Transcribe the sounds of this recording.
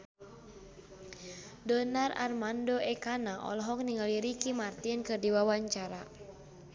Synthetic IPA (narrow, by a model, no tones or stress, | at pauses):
dɔnara̰rmandoʔɛkanaʔɔ̰lɔɦɔk̚niŋaliɾikimart̪inkɨrdiwawaɲt͡ʃaɾa